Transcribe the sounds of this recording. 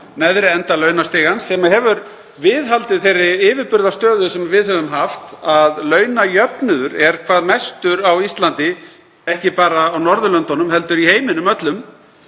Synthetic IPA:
nɛðɾɪɛnt̪alœɥnast̪ɪːɣansɛmaɦɛvʏɾ | vɪðɦalt̪ɪθejrːɪɪːvɪɾpʏɾðast̪œːðʏsɛmvɪðhɛvʏmɦaft̪aðlœːɥnajœpnʏðʏɾɛɾ̥kʰvaːðmɛst̪ʏɾawist̪lant̪ɪ | ɛhcɪpaːɾaːwnɔɾðʏlœnt̪ɔnʏmhɛlt̪ʏɾiheːjmɪnʏmœt̪lʏm

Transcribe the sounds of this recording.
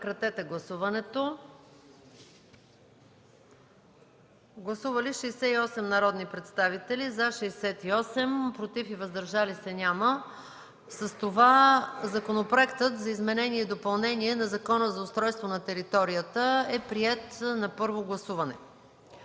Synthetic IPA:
kɾɐt̪ɛt̪ɛɡlˠɐsuvɐnɛt̪o | ɡlˠɐsuvəliʃɛjsɛiɔsɛmnɐɾɔd̪nipɾɛt̪st̪avit̪ɛlizaʃɛɛsɛt̪iɔsɛmpɾot̪ifivəzd̪ɐɾʒalisɛnʲamə | səst̪ovazɐkonopɾoɛkt̪ət̪zɐizmɛnɛniɛid̪opɐlˠnɛniɛnɐzɐkɔnəzɐʊst̪ɾɔjst̪vonɐt̪ɛɾit̪ɔɾijət̪əɛpɾiɛt̪nɐpɤɾvoɡlˠɐsuvɐnɛ

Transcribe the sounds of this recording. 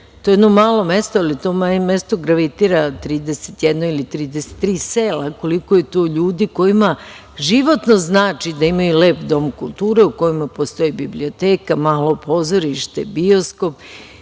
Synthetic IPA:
t̪ojd̪nomaːlo̞me̞st̪oalit̪omaɲemest̪o̞ɡɾaʋit̪iɾat̪ɾiːd̪eset̪jed̪noilit̪ɾiːd̪ese̥t̪ːɾiːseːlako̞liko̞jet̪oːʎuːd̪iko̞jima | ʒiʋo̞t̪no̞znaːt͡ʃid̪aimajule̞ːpd̪o̞mkulˠt̪uːɾe̞uko̞jimapo̞st̪o̞jibiblio̞t̪eːkamaːlo̞pʰo̞zoɾiʃt̪e̞bio̞sko̞p

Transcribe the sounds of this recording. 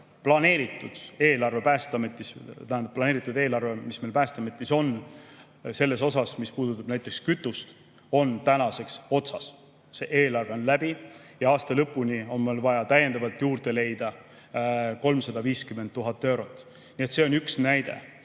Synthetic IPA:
plɑne̞ːɾit̪ːˑud̪̥e̞ːlɑrve̞pæːst̪ɑmet̪ˑːist̪æhænd̪plɑne̞ːɾit̪ːˑud̪e̞ːlɑrve̞mismelpæːst̪ɑmet̪ːˑiso̞n | se̞lːe̞so̞sɑsmispuːd̪ut̪ːˑɑb̥næjt̪ˑːe̞kskyt̪ːˑust̪ | o̞nt̪ænɑse̞kso̞t̪sɑs | se̞ʔe̞ːlɑrveo̞nlæb̥ijɑɑːst̪ɑlɤpːˑunio̞nmelvɑjɑt̪æje̞nd̪ɑvɑlt̪juːrd̪̥e̞le̞jd̪̥ɑ | ko̞lmsɑd̪̥ɑviːskyment̪ːuɦɑt̪ːe̞wɾo̞t̪ːˑ | niet̪se̞onyksnæjd̪̥e̞̰

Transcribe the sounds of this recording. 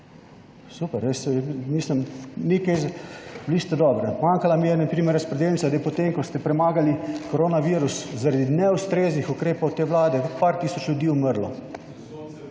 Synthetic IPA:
supɛɾjɛsmislimnikɛjzblist̪ɛd̪ɔbɾɛmaŋkalamijɛnapɾiːmɛɾɛspɾɛd̪elnsad̪ɛjpɔt̪emkɔst̪ɛpɾɛmaːɡalikɔɾoːnaʋiɾuszaɾad̪inɛust̪ɾeːznixukɾeːpowt̪eːʋlaːd̪ɛpaɾt̪iːsɔt͡ʃlud̪iːuməɾlɔ

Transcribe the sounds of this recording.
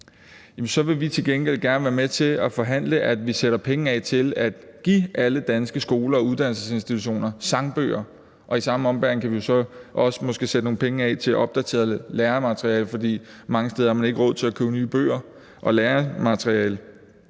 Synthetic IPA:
jjɛmnsɒ̽ʋe̝ʋit͡sʰe̝lɡ̥enɡ̥el̰ɡ̥æɐnʋæːɐmet͡sʰe̝æfɒ̽ɦæn̰ləʔæd̥ʋiseɾ̥ɐpʰeŋ̩ɛt͡sʰe̝læd̥ɡ̥ḭːʔæləd̥ænsɡ̥əsɡ̥o̝ːlɐɒ̽uð̞ˠd̥ænl̩səse̝nsd̥it͡sʰuɕ̬o̝̰ːnɐsɑ̈ŋb̥ø̰ːɐ | ʔɒ̽isɑ̈məɒ̽mb̥æɐn̩kʰæʋijo̝sɒ̽ʔɒ̽sə̥mɒ̽sɡ̥e̝ːsed̥əno̝ːŋ̩n̩pʰeŋəɛ̰t͡sʰe̝lʔɒ̽b̥̚d̥æt͡sʰe̝̰ːɐðˠleːɐmæt͡sʰʁiɛ̰ːlfɒ̽d̥ḭːmɑ̈ŋəsd̥eːð̞ˠɐhɑmæne̝ɡ̥əʁɔ̽ð̞̰ˠt͡sʰe̝lækʰøʊnyːb̥ø̰ːɐ | ʔɒ̽leːɐmæt͡sʰʁiɛ̰ːl

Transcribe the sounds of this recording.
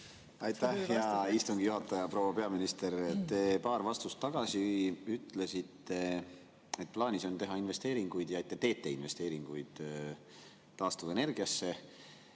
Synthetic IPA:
ɑjt̪ːæhjɑist̪uŋɡ̥ijuɦɑt̪ːˑɑjɑpro̞wɑpe̞ɑminist̪e̞ɾet̪t̪ːe̞pɑːɾvɑst̪ust̪ːɑɡ̥ɑsiyyt̪ˑle̞sit̪ːe̞ | e̞t̪̚plɑːnʲiso̞nt̪e̞ɦɑinve̞st̪e̞ːɾiŋɡ̥ujd̪̥jɑet̪ːˑet̪e̞ːt̪ːˑe̞inve̞st̪e̞ːɾiŋɡ̥ujd̪̥ | t̪ɑːst̪uve̞ne̞rɡ̥iɑsːe̞

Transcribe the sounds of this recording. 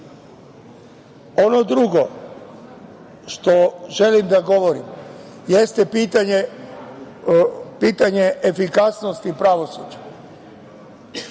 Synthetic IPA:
o̞no̞d̪ɾuɡo̞ | ʃt̪o̞ʒe̞limd̪aɡo̞ʋo̞ɾḭm | jest̪ɛpit̪aɲe | piːt̪aɲeʔefikasnost̪ipɾaʋo̞sud͡ʒa

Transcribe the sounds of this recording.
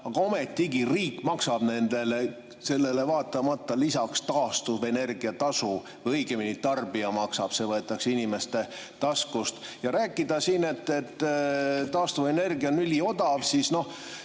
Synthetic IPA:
ɑɡ̥ɑome̞t̪ːˑiɡiriːkːmɑksɑb̥ne̞nd̪e̞le̞ | se̞lːe̞le̞vɑːt̪ːˑɑmɑt̪ˑːɑlisɑkst̪ɑːst̪uve̞ne̞rɡ̥iɑt̪ɑsu | vɤjɡeminit̪ɑrbiɑmɑksɑb̥se̞vɤe̞t̪ːˑɑksinime̞st̪e̞ | t̪ɑskust̪jɑɾæːkːˑid̪ɑsine̞t̪ːet̪ːt̪ːɑːst̪uve̞ne̞rɡiɑonylʲio̞d̪̥ɑvsisno̞h

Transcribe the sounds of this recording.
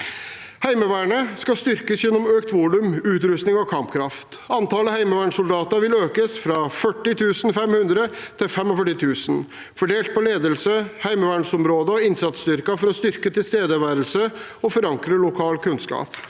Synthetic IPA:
hæɪməʋæːɳəskɑst̪ʏɾkəsjɛnːɔmøːkt̪ʋuːlʉmʉːt̪ɾʉst̪nɪŋɔkʰɑmpkʰɾɑft̪ | ɑnt̪ɑləhæɪməʋæːɳsʊld̪ɑːt̪ɑɾʋɪløːkəsfɾɑfœʈːɪt̪ʰʉːsn̩fɛmhʉnd̪ɾət̪ʰɪlfɛmɔfœʈːɪt̪ʰʉːsən | fɔɖeːlt̪̚pʰɔleːd̪əlsəhæɪməʋæːɳsɔmɾoːd̪əɔɪnsɑt̪st̪ʏɾkɑfɔɾɔst̪ʏɾkət̪ʰɪlst̪eːd̪əʋæːɾəlsə | ɔfɔɾɑŋkɾəlʊkʰɑːlkʉnskɑ̰ːp

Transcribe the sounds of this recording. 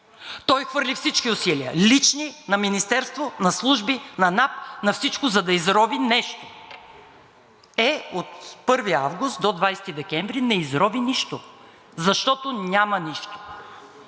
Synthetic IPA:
t̪ɔjxvɤɾlʲifsit͡ʃkiʊsiliə̰lit͡ʃninɐminist̪ɛɾst̪vonɐslˠuʒbinɐnap̚nɐfsit͡ʃkʊzɐd̪ɐizɾɔvinɛʃt̪o̥ | ɛot̪pɤɾvia̰vɡʊst̪̚d̪od̪vajsɛ̥t̪id̪ɛkʲɛɱvɾinɛizɾɔviniʃt̪o | zɐʃt̪ɔt̪onʲamɐniʃt̪o̥

